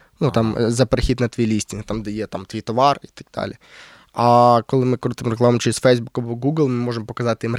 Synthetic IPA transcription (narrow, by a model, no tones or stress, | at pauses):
nut̪ɑmzɐpeɾɪxʲit̪ʲnɐt̪ʋʲijlʲisʲtʲint̪amd̪ɛjɛt̪amt̪ʲijt̪ɔʋɑrit̪ɐ̥ɡ̚d̪̥a̰lʲɪ̰ | ɐkɔlˠɪmɪkɾut̪ɪmɾeklˠamɐmt͡ʃɛɾʲɪzʲfɛjzbukɐbɔɡuɡlˠmɪmɔʐɨmpɔkɐzɑt̪ɪjim